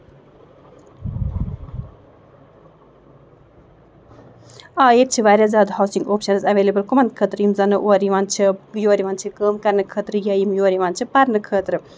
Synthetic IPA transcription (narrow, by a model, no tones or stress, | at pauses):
aːet̪̚t͡ʃʰiʋaːɾʲjaːzʲaːd̪hawsiŋɡoːpʃɐnzɐʋeːlebɨlkumɐnd̪kʰəːt̪ɾɨjimzɐnɨʔoːɾiʋant͡ʃʰijoːɾiʋaːnt͡ʃʰikəːmkɐɾnɨkʰəːt̪ɾɨjɐjimjoːɾiʋaːnt͡ʃʰipɐɾnɨkʰəːt̪ɾɨ